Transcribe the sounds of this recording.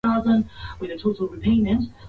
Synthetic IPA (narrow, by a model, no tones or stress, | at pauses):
ɑzə̃nwɨðɨtʰoʊɾl̩ˠɹɨpʰẽɪ̃nɨ̃nt